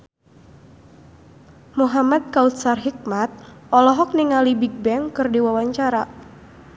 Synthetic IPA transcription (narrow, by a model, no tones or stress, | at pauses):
muɦamat̪̚kaut̪̚sarɦik̚mat̪̚ʔɔlɔɦɔk̚niŋalibiɡ̚bɛŋkɨrdiwawaɲt͡ʃaɾa